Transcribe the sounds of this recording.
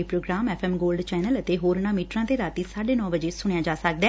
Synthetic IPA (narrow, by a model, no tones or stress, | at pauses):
ipɾoːɡɾaːmɛːpʰɛːmɡoːlɖt͡ʃɛːnələt̪eːɦoːɾnaːmiːʈɾãːt̪eːɾaːt̪iːsaːɖeːnɔ̃ːbəd͡ʒeːsʊɽ̃jaːd͡ʒaːsək̚d̪ɛː